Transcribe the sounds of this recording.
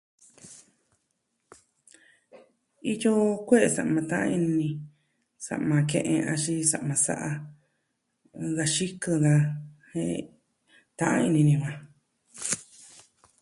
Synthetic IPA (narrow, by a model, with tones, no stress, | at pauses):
i˦jo˦kʷe˦ʔe˧˨sa̰˨ʔmã˧t̪ã˦ʔã̰˧i˧nĩ˧ | sa̰˨ʔmã˧kḛ̃˧ʔẽ˧ʔã˧ʃi˧sa˧ʔmã˧sa̰˧˦ʔa˧ | ɡa˧ʃi˦kɨ˧ɣa˧hḛ̃˧ | t̪ã˦ʔã̰˦˧i˧nĩ˧nĩ˧hʷã˧